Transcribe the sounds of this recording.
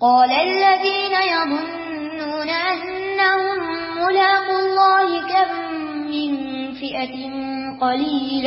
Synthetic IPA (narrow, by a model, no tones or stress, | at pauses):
qɑːlaʔalːaðiːnajaðˤʊnː | uːnaʔanːahʊmː | ʊlaːqʊlˤːɑːhɪkamː | ɪn | fɪʔat | n | qɑliːl